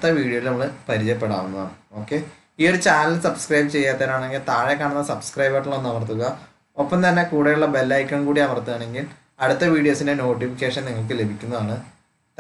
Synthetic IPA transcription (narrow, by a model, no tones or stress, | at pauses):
t̪ːɐʋiːɽijoilnɐmːɐɭɨpɐɾit͡ɕjɐpːe̞ɽaːʋunːɐðaːɳɨo̞ːkːe̞ | io̞ɽɨt͡ɕaːnɐlsɐbskrɐjbɨt͡ɕe̞jːaːt̪ːɐɾaːɳe̞ŋɡilt̪aːɻekːaːɳunːɐsɐbskrɐjbɐʈːilːonːɐʋɐrt̪uɣɐ | o̞pːɐmt̪ɐnːe̞kuːɽɐjuɭːɐbe̞lːɐjkʲːɐɳkuːɽiɐʋɐrt̪ːuɣaːɳe̞ŋɡil | ɐɽut̪ːɐʋiːɽijo̞ːsinde̞no̞ːʈːifikʲːeːʂɐniŋːɐɭk̬ɨle̞bʱikʲːunːɐðaːɳɨ